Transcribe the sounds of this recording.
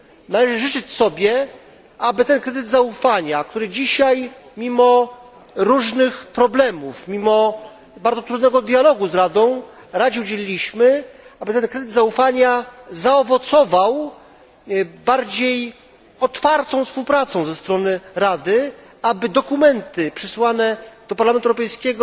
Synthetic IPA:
nalɛʐɘʐɘt͡ʂɘt͡ɕsɔbʲjɛ | abɘt̪ɛnkɾɛd̪ɘd̪zaufaɲakt̪uɾɘd͡ʑiɕaj | mʲimɔ | ɾuʐnɘxpɾɔblɛmufmʲimɔ | baɾd̪zɔt̪ɾud̪nɛɡɔd̪ʲjalɔɡuzɾad̪ɔ̃w̃ | ɾad͡ʑɛud͡ʑelʲilʲiɕmɘabɘt̪ɛnkɾɛd̪ɘd̪zaufaɲazaɔvɔt̪sɔvaw | baɾd͡ʑej | ɔt̪faɾt̪ɔ̃w̃fspuwpɾat̪sɔ̃w̃zɛst̪ɾɔnɘɾad̪ɘ | abɘd̪ɔkumɛnt̪ɘpʂɘswanɛd̪̥ɔpaɾlamɛnt̪uɛwɾɔpɛjskʲɛɡɔ

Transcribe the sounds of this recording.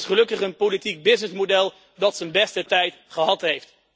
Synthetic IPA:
sχəlɵkəχənpolitik̚bɪsnəsmodɛlˠ | dɑtsənbɛstətɛjt | χəɦɑtɦejft

